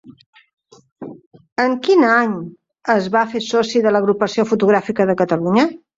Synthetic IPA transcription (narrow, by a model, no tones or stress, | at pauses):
əŋkinaɲ | əzβafesɔsiðələɣɾupəsiofut̪uɣɾafikəðəkət̪əluɲə